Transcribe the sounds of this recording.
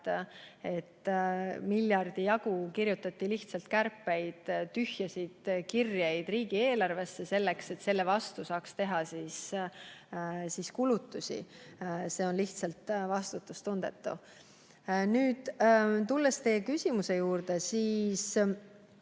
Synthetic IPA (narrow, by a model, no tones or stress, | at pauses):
e̞t̪ːmiljɑrd̪̥ijɑɡ̥ukiɾjut̪ːˑɑt̪ːiliht̪sɑlt̪kærpːˑe̞jd̪̥t̪yhjɑsid̪̥kirjejd̪̥riːɡ̥ie̞ːlɑrve̞sːe̞se̞lːe̞kse̞t̪ːse̞lːe̞vɑst̪usɑːkst̪e̞ɦɑsiːs | siːskulut̪ːusʲḭse̞ːo̞nliht̪sɑlt̪vɑst̪ut̪ːˑust̪und̪̥e̞̰t̪ˑːṵ | nyːd̪̥t̪ulːest̪e̞jekysʲimuse̞juːrd̪̥e̞siːs